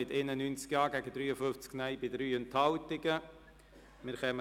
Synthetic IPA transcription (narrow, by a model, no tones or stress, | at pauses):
ɪtɪnənynt͡skjɑːɡæɡəd̪ɾyːəfʏft͡sknœɪbɪdɾyːənt̪hɑlt̪ɪɡə | mɪɾχɛmə